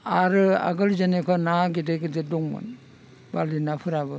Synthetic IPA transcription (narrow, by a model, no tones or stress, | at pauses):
aɾɯa̰ɡɯlzanekʰɔnaɡideɡideduŋma̰n | balinapʰɯɾaβɯ